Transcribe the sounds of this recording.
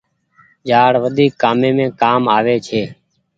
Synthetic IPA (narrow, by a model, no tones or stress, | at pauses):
d͡ʒaːɽʋəd̪ʱiːkːaːmẽːmẽːkaːmaːʋeːt͡ʃʰeː